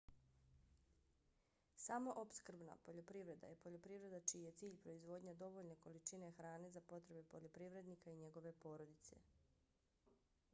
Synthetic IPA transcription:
samo̞ʔopskr̩bna̰po̞ʎopɾiʋɾe̞d̪a̰jepo̞ʎopɾiʋɾe̞d̪at͡ʃiije̞t̪siːʎpɾo̞izʋo̞ːd̪ɲad̪o̞ʋo̞ʎne̞ko̞lit͡ʃine̞xɾaːnezapo̞t̪ɾe̞be̞po̞ʎopɾiʋɾe̞d̪nikaiɲe̞ɡo̞ʋe̞po̞ːɾod̪it̪se̞̰

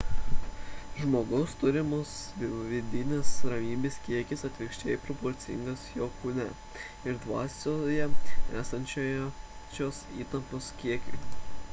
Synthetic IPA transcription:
ʒmoːɡɐʊst̪ʊɾʲɪmoːsʋʲɪd̪ʲɪnʲesɾɐmʲiːbʲeːskʲiɛkʲɪsɐt̪ʲʋʲɪkʃʲt͡ʃʲɛɪpɾɔpɔɾʲt̪sʲɪ̰ŋɡɐsjoːkuːnʲɛ | ɪɾd̪ʋɑːsʲojɛæːsɐnʲt͡ʃʲoːjt͡ʃʲoːsiːt̪ɐmpoːskʲiɛkʲo̰ː

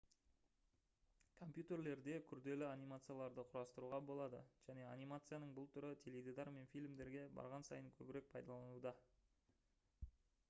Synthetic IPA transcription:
kʰo̞mpjut̪erle̞ɾd̪e̞kʲʰʏɾd̪e̞lɪanijmat̪sɨjalˠɑɾd̪əqʰʊɾɑst̪əɾuʁɑbo̞lˠɑd̪ə̰ʒ̥æne̞anijmat̪sɨjanəɴbʊlˠt̪ʰʏɾɪt̪ʲʰe̞led̪ed̪ɑɾme̞nfijlʲmd̪e̞ɾɡʲe̞bɑ̰ɾʁɑnsɑ̰jəŋkʲʰɵbɪɾe̞k̚pʰɑjd̪ɑlˠɑnud̪ɑ

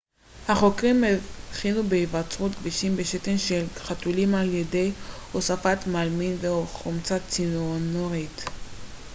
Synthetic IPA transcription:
haχo̞kʁimeχinubeivat͡sʁut̪ɡviʃimbeʃetenʃelχatulimaljedejhosafat̪malminveoχomt͡sat͡sinonoʁit̪

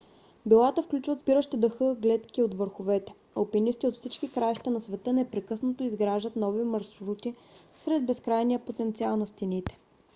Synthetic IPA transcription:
bilˠat̪əfklʲut͡ʃvət̪zbiɾəʃt̪id̪əxɤɡlɛt̪kiot̪vəɾxovɛt̪ɛ̥ | opɛnist̪iot̪fsit͡ʃkikɾajʃt̪ɛnɐsvɛt̪ənɛpɾɛkɤsnot̪oizɡɾaʒət̪nɔvimɐɾʃɾut̪isɾɛd̪̚bɛskɾajnijəpot̪ɛnt̪sialˠnɐst̪init̪ɛ̥

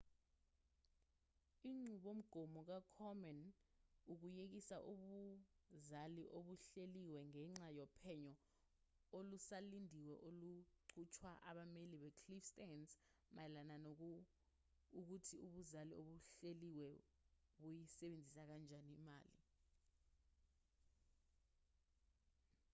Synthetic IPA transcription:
iŋ͡ǀuɓom̩ɡ̥ʱɔmɔk̬akʰɔmɛnuk̬ujek̬isaʔuɓuzaliʔoɓuɬeliwɛŋɛŋ͡ǁajɔpʰɛɲɔ | olusalindʱiwɛʔoluǀʰut͡ʃʰwaʔa̰ɓameliɓɛkʰlifstansmajɛlananok̬ | uk̬utʰiuɓuzalio̰ɓuɬeliwɛ | ɓujisɛɓend͡zʱisak̬and͡ʒʱaniːmaːli

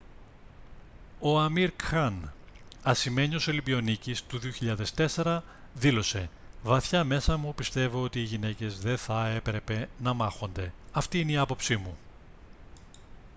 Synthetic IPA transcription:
o̞ɐmiɾkxɐnɐsime̞ɲio̞so̞libio̞nicist̪uðio̞çiʎɐðe̞st̪e̞se̞ɾɐ | ðilo̞se̞ | vɐθçɐme̞sɐmupist̪e̞vo̞o̞t̪iːʝine̞ce̞zðe̞θɐe̞pɾe̞pe̞nɐmɐxo̞nd̪e̞ɐft̪iineiɐpo̞psimu

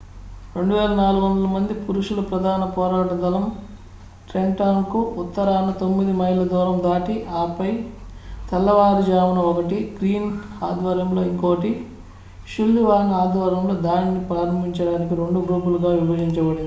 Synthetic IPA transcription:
ɾe̞ɳɖuʋeːlɐnaːluɡʋond̪ɐlɐmɐnd̪ipuɾuʂulɐpɾɐd̪ʱaːnɐpɔːɾaːʈɐd̪ɐlɐm | ʈɾeɳʈaːnkuut̪ːɐɾaːnɐt̪omːid̪imɐɦilɐd̪ɔːɾɐmd̪aːʈiʔaːpɐjt̪ʰɐlːɐʋaːɾud͡ʒaːʋɐnɐɔkɐʈiɡɾiːnaːd̪ʋaːɾjɐmlo̞ːiŋkoːkɐʈi | ʃulːiʋaːnaːd̪ʋaːɾjɐmloːd̪aːnnipɾaːɾɐmbʱiɲt͡ʃɐɽaːnikiɾe̞ɳɖuɡɾuːpuluɡaːʋibɐd͡ʒiɲt͡ʃɐbɐɽii

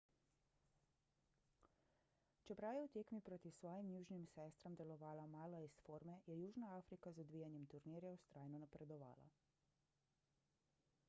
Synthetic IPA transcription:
t͡ʃɛpɾawjɛwt̪eːkmipɾoːt̪isʋɔːjimjuːʒnimsɛːst̪ɾamd̪ɛlɔʋaːlamaːlɔisfoːɾmɛjɛjuːʒnaaːfɾikazɔd̪ʋiːjanjɛmt̪uɾniːɾjawst̪ɾʔaːjnɔnapɾɛd̪ɔʋa̰ːla̰

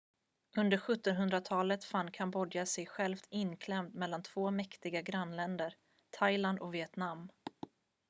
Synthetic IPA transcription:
ʔɵnd̪əɾɧɵt̪ːɔnɦɵnd̪ɾat̪ʰɑːlət̪fanːkʰanbɔd̪jasɛjɧɛlft̪ʰɪnːkʰlɛmt̪mɛlːant̪ʰv̥oːmɛkt̪ɪɡaɡɾanlɛnd̪əɾ | t̪ʰajland̪ɔvɪɛt̪namː

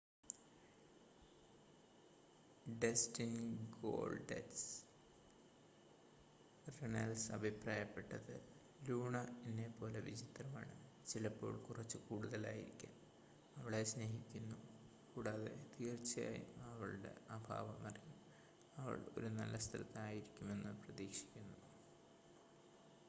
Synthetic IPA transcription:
ɖestinɡo̞̰ːɭɖḛs | renɐlsɐbʱipraːjɐpːe̞ʈːɐðɨ | luːɳɐenːepo̞ːle̞ʋid͡ʑit̪rɐma̰ːɳɨ | t͡ɕilɐpːo̞̰ːɭkurɐt͡ɕːɨkuːɽuðɐla̰ːjḭɾikʲːa̰m | ɐʋiɽe̞sne̞ːɦikʲːunːu | kuːɽaːðe̞̰t̪iːrt͡ɕːɐja̰ːjṵɐʋɐɭɨɽe̞̰ɐbʱa̰ːʋɐmɐrijum | ɐʋɐ̰ɭo̞̰ɾunɐ̰lːɐst̪ʰɐlɐt̪ːɐaːjiɾikʲːume̞nːɨprɐðiːkʂi̥kʲːunːu

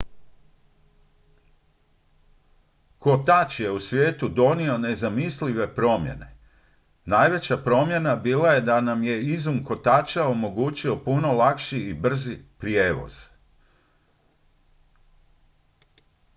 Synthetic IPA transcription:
ko̞t̪at͡ʃje̞usʋʲje̞ːt̪ud̪o̞nio̞ne̞zamisliʋe̞pɾo̞ːmjḛne̞̰ | najʋe̞t͡ɕapɾo̞mje̞nabiːlaje̞d̪anamje̞izumko̞t̪at͡ʃao̞mo̞ɡuːt͡ɕio̞puno̞lakʃiːbr̩zipɾje̞ːʋo̞̰z̥

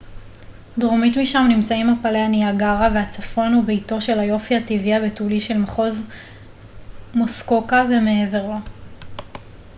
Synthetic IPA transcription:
dʁomitmiʃamnimt͡saimapalehaniaɡaʁaveat͡safo̞nhubeito̞ʃe̞lajo̞fihativiabetuliʃe̞lmaχo̞z | mosko̞kave̞meeveʁo

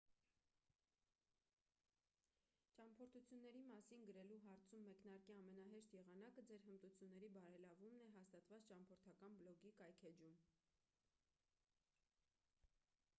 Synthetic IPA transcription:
t͡ʃɑmpʰɔɾt̪ʰut͡sʰjunːɛɾimɑsinɡəɾɛluɦɑɾt͡sʰumːɛknɑɾkiɑmɛnɑɦɛʃt̪jɛʁɑnɑkəd͡zɛɾhənt̪ut͡sʰjunːɛɾibɑɾɛlɑvumnɛɦɑst̪ɑt̪vɑt͡st͡ʃɑmpʰɔɾt̪ʰɑkɑnblɔɡikɑjkʰɛd͡ʒum

